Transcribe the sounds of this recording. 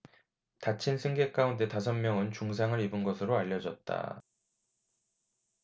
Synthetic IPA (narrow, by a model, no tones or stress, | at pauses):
tat͡ɕʰinsʰɯŋɡe̞k͈aunde̞tas̬ʰʌmmːjʌŋɯnt͡ɕuŋs̬ʰaŋɯɾibunɡʌsʰɯɾoaʎːʌd͡ʑʌt̚t͈a̰